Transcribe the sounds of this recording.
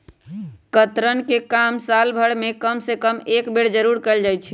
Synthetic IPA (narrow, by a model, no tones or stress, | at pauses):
kət̪ɾənkekamsalbʱəɽmekəmsekəmekbeɽd͡ʒəɾuɾkəld͡ʒajt͡ʃʰɛ